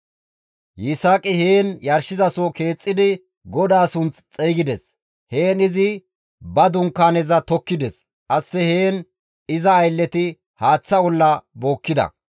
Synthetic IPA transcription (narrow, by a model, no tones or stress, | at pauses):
jɪsaːkʼɪheːnjɐɾʃɪzɐsɔke̞ːt͡sʼːɪd̪ɪ | ɡɔd̪aːsʊnt͡st͡sʼejɡɪd̪ɛs | he̞ːnɪzɪ | bɐd̪ʊŋkːaːnɛzɐt̪ɔkːɪd̪ɛs | ʔɐsːɛhe̞ːn | ɪzɐːjlːɛt̪ɪ | haːt͡sːɐɔlːɐbo̞ːkːɪd̪ɐ̰